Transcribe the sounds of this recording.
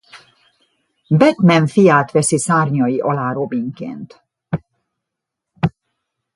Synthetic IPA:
bɛt̪mɛɱfijaːt̪ʋɛsisaːrɲɒjiʔɒlaːɾo̞biŋkḛːnt̪

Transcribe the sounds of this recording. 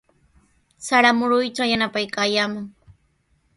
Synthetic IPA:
saɾamʊɾʊjt͡ʃajanapajkaːjaːmʊŋ

